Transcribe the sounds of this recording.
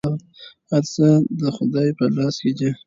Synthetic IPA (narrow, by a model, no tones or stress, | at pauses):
haɾsəd̪əxʊd̪ɑjpəlɑsked͡ʒi